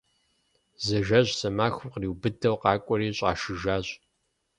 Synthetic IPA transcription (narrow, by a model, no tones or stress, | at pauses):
zɐʒɐʑsɐmaːxʊqriwbɨdʰɐwqɑːkʷʼɔɾiːɕʼɑ̰ːʃɨʒaːɕ